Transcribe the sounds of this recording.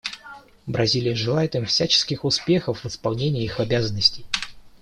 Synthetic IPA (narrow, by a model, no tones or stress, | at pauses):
bɾʔɐzʲilʲɪjəʐɨlˠajɪt̪ɨmfsʲæt͡ɕɪ̥skʲɪxʊspʲe̞xəfvəspɐlˠnʲenʲɪjəixɐbʲazənːəsʲtʲɪj